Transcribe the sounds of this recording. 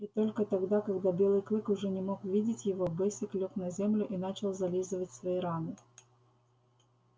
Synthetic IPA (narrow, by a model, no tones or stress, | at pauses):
it̪o̞lʲkət̪ɐɡd̪akɐɡd̪abʲe̞lˠɨjklˠɨkʊʐɛnʲɪmo̞kʊvʲidʲɪtʲjɪvo̞bɛsʲɪklʲoknɐzʲemlʲʊʔinat͡ɕɪlˠzɐlʲizɨvətʲsvɐiɾanɨ